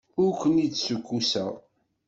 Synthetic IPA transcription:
ʊɾkʷːənit͡sːsukʷːusə̰ʁ

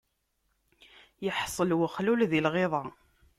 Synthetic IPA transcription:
jəħsˤəlwəχlulðilʁeðˤɑ

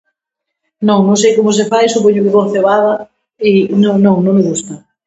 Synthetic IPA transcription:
nõŋnõŋ̃s̬ejkomʊs̬efajsupoɲʊkɪβoθeβaðɐ | ɪnõŋnõŋnõŋmɪɣust̪ɐ

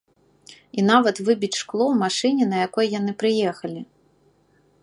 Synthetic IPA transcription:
in̪avɐt̪vɨbʲit͡sʲʂklˠɔwmaʂɨnʲɛnɐjakɔjjanɨpɾɨjɛxɐlʲi

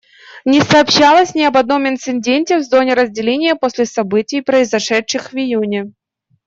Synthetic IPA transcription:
nʲɪsɐːpɕːalˠəsʲnʲɪɐbɐd̪no̞mɪnt̪sɨnʲdʲenʲtʲɪvzo̞nʲɪɾəzʲdʲɪlʲenʲɪjəposʲlʲɪsɐbɨtʲɪjpɾəɪzɐʂɛtʂɨxvɪjunʲɪ

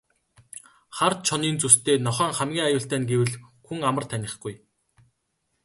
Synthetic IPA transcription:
χart̪̚t͡ɕʰɔniːnt͡sust̪ʰeːnɔχæːŋχæmɡʲiːŋajʊːɬt̪æːnɡewɘ̆ɮxuŋamə̆rt̪ʰænʲɪ̆χɡuj

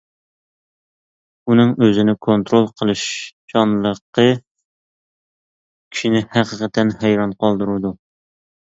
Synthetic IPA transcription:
unɨŋøzɪnɪkʰont̪ɾolˠqʰəlˠɨʃd͡ʒɑnlˠəqːə | kʲʰi̥ʃinɪhæqʰəqʰət̪ʰɛnhɛjɾɑnqʰɑlˠd̪ɨɾud̪u

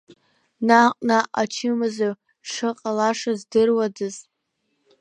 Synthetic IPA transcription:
naqʷʼnaʔat͡ʃʰɪmɨzo | ʂɨqʼalaʂazdɨrwadɨz

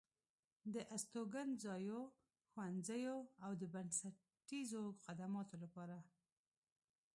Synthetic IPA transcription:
d̪əʔast̪oɡanzɑjo | xwanzəjoawd̪əbansa | ʈizoxad̪amɑt̪olapɑɾa

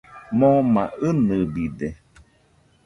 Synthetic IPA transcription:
mõmãɨnɨbide

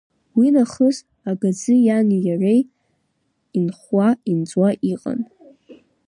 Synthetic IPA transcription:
winaχəz | aɡad͡zɨjanijarej | inχwaind͡zʼwaʔiqʼa̰n

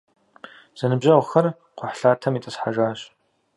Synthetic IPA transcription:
z̥ɐnɨbʑɐwʷxɐr | qʷʰʊħɬaːtʰɐmitʼɨsħaʒaːɕʼ

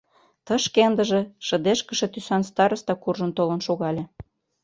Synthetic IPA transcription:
t̪ɤʃkend̪əʒĕʃə̆d̪eʃkəʃet̪ysɑnst̪ɑɾəst̪ɑkurʒə̆nt̪olənʃoɣɑlʲĕ

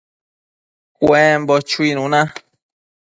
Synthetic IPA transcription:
kʷẽmbot͡ʃuinũnã

